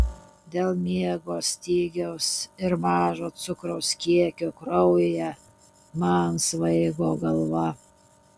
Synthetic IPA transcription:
d̪ʲeːlˠmʲiɛɡoːsʲt̪ʲiːɡʲɛʊsɪɾmɑːʒoːt̪sʊkɾɐʊskʲiɛkʲokɾɔʊjjɛ | mɐnsʋɐɪɡoːɡɐlˠʋɐ

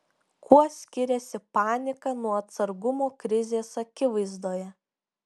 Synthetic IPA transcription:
kʰuɔsʲkʲɪɾʲɛsʲɪpɑːnʲɪkɐnuɔɐt̪sɐɾɡʊmoːkɾʲɪzʲeːsɐkʲɪʋɐɪzd̪oːjɛ

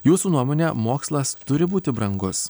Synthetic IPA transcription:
juːsuːnuɔmoːnʲɛmoːkslˠɐst̪ʊɾʲɪbuːt̪ʲɪbɾɐŋɡʊs

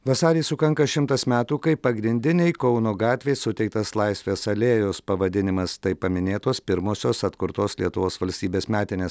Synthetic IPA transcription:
ʋɐsɑːɾʲiːsʊkɐŋkɐʃʲɪmt̪ɐsmʲæːt̪uːkɐɪpɐɡɾʲɪnʲd̪ʲɪnʲɛɪkɔʊnoːɡɑːt̪ʲʋʲeɪsʊt̪ʲɛɪkt̪ɐslˠɐɪsʲʋʲeːsɐlʲeːjoːspɐʋɐd̪ʲɪnʲɪmɐst̪ɐɪpɐmʲɪnʲeːt̪oːspʲɪɾmoːsʲoːsɐt̪kʊɾt̪oːslʲiɛt̪ʊʋoːsʋɐlʲsʲt̪ʲiːbʲeːsmʲæːt̪ʲɪnʲeːs

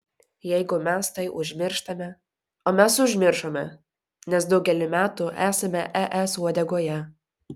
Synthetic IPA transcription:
jɛɪɡʊmʲɛst̪ɐɪʔʊʒʲmʲɪɾʃt̪ɐmʲɛ | oːmʲɛsʊʒʲmʲɪɾʃoːmʲɛ̰ | nʲɛs̬d̪ɒʊɡʲɛlʲɪmʲæːt̪ʊʔæːsɐmʲɛʔɛʔɛsuɔd̪ʲɛɡoːjɛ

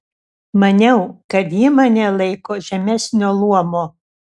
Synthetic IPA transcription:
mɐnʲɛʊkɐt̪jimɐnʲɛlˠɐɪkoːʒʲɛmʲæsʲnʲoːlˠuɔmoː

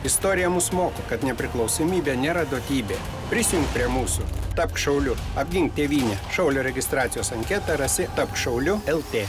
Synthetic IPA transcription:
ɪst̪oːɾʲɪjɛmʊsmoːkokɐt̪nʲɛpʲɾʲɪklˠɐʊsoːmʲiːbʲeːnʲeːɾɐd̪oːt̪ʲiːbʲeː | pʲɾʲɪsʲɪjʊŋk̚pʲɾʲiɛmuːsʊt̪ɐp̚kʃɐʊlʲʊɐbʲɡʲɪŋkt̪ʲeːʋʲiːnʲeʃɐʊlʲoːɾʲɛɡʲɪst̪ɾɑːt̪ʲɪjoːsɐŋʲkʲɛt̪ɐɾɐsʲɪt̪ɐp̚kʃɐʊlʲʊɛlˠt̪ʲeː

